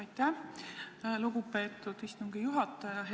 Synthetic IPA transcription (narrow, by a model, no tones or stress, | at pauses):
ɑjt̪æ | luɡ̥upe̞ːt̪ːˑud̪̥ist̪uŋɡ̥ijuɦɑt̪ˑːɑjɑɦe